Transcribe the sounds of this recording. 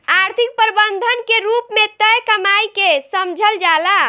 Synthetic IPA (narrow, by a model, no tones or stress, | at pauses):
aɾt̪ʰik̚pəɾbənd̪ʱənkeɾupmet̪əjkəmajkesəmd͡ʒʱəld͡ʒala